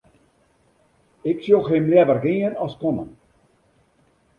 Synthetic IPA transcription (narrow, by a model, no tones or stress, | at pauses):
ɪksjolˠxemljɛvərɡiənɔskonə̰n